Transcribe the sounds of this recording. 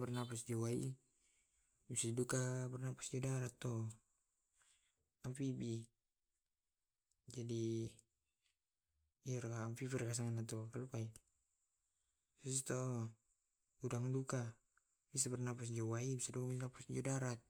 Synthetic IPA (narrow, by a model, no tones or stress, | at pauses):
bɛrnapasd͡ʒɔwaḭ | bisadidukabərnapḁsd͡ʒodaɾat̪ːɔ | amfibi | d͡ʒadi | iaɾkaːmfifɛrkas̬aŋanat̪̬ɔkalupai | sust̪ɔ | udaŋduka | bis̬abɛrnapas̬d͡ʒowaibisadukabisnapasd͡ʒodaɾat̪̚